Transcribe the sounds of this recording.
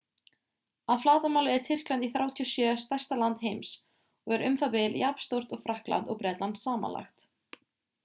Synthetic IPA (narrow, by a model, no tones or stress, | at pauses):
aðflaːt̪amaːwlɪɛɾ̥t̪ʰɪr̥klant̪iθɾjaːwt̪ʰiɔsjœːst̪aj̥st̪alant̪ɦejms | ɔɣɛɾʏmθapɪljapn̥st̪owɾ̥t̪ɔɣfɾahkla̰nt̪ɔɣpɾɛt̪lansaːma̰nla̰xt̪